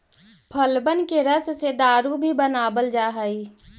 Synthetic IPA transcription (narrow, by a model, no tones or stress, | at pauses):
pʰəlbənkeɾəssed̪aːɾubʱibənaːbəld͡ʒaːɦəi